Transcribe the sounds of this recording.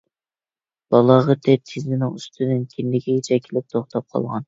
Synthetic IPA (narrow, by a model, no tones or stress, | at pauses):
b̥ɑlˠɑʁɑt̪ʰɛt̪ʰɪzɪnɪŋyst̪ʰɨnɪnkʲʰinlɪkʲɛjit͡ʃʰɛkʲʰilɪp̚t̪ʰoχt̪ʰɑp̚qʰɑ̰lˠʁɑn